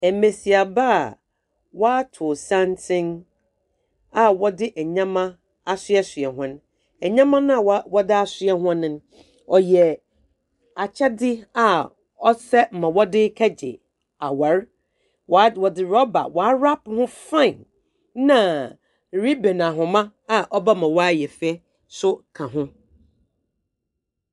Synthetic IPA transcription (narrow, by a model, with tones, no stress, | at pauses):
ɛ˨me˨si˨a˨ba˦˨ | wɔ˦a˦tʰʊ˨sã˦ntʰɪ̃˦n | a˨wɔ˦dɪ˦ʔɛ˨ɲã˦mã˦ | a˦sɪ˦ɛ˦sɥɛ˨ɦʊ̃˦ñ˦ | ɛ˨ɲã˦mã˦nʊ̃˦a˨wwɔ˦dɪ˦a˦sɪ˦ɛ˦ɦʊ̃˦nɪ̃˨˦n˦ | ɔ˨jɛ˨ | a˨t͡ɕʰɛ˦dɪ˦a˨ | ɔ˦sɛ˦m̩˨mã˨wɔ˦dɪ˦kʰɛ˦d͡ʑɪ̰˨ | a˨wa˨˦ɾ | wwɔ˨dɪ˨ɾɔ˦ba̰˨wa˨˦ɾa˦phʊ̃˦fã˦˨n | nã˨ | ɾi˦bẽ˨n˨ã˨ɦʊ̃˨mã˦ | a˨ʔɔ˦ba˦mã˨wɔ˦a˦jɛ˨fe˦ | sʊ˦kʰã˨ɦʊ̃˦